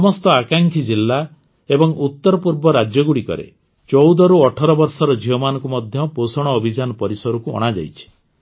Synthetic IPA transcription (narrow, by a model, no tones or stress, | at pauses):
ɔmɔst̪ɔakaŋkʰid͡ʒilːa | ebɔŋut̪ːɔɾɔpuɾbɔɾad͡ʒjɔɡuɽikɔ̰ɾḛ | t͡ʃɔwd̪ɔɾuɔʈʰɔɾɔbɔɾsɔɾɔd͡ʒʱiɦɔmanɔ̃ŋkumɔd̪ʱjɔposɔɽ̃ɔːbʱid͡ʒanɔpɔɾisɔɾukuɔ̰ɽ̃ad͡ʒa̰jt͡ʃʰi̥